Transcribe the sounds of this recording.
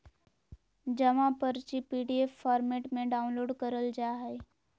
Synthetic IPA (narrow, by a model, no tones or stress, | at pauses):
d͡ʒɐʋãpəɾt͡ʃipiːɖiefːaːɾmeːʈmẽɖaːʊ̃nloːɖkəɾəld͡ʒaːɦɛe